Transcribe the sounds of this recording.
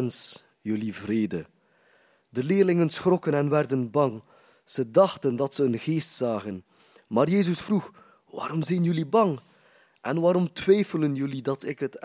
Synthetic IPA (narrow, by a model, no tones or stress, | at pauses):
ns | jɵlivreːdə | dəlɪːrlɪŋənsχrɔkənɛnʋɛrdənbɑŋ | z̥ədɑxtəndɑtsəənɣeːstsaːɣən | maːrjeːzəsfrux | ʋa̰ːɾɔmzɛjnjɵlibɑŋ | ʔɛnʋaːɾɔmtʋɛjfələnjɵlidɑtɪkɦət